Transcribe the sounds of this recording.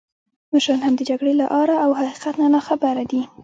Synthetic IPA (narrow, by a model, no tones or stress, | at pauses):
maʃɾɑnhamd̪əd͡ʒaɡɽelaʔɑɾaawhaqi̥qat̪nanɑxabaɾad̪i